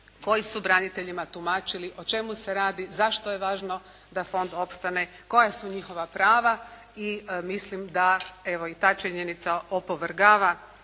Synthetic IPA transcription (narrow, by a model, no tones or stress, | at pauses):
ko̞jisubɾanit̪e̞ʎimat̪umaːt͡ʃiliʔo̞t͡ʃe̞muse̞ɾaːd̪izaʃt̪oje̞ʋaːʒno̞ | d̪afo̞nd̪o̞pst̪ane | ko̞jasuɲixo̞ʋapɾaːʋa | imislimd̪ae̞ʋo̞it̪aːt͡ʃiɲe̞nit̪saopoʋrɡaːʋa